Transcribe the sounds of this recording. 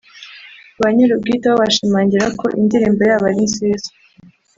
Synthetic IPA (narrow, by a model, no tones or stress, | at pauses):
βaɲeɾub̚ɡitaoβaʃimaːɲɟiɾako̞̰ʔḭndiɾiːmbejaːβaɾinsizḁ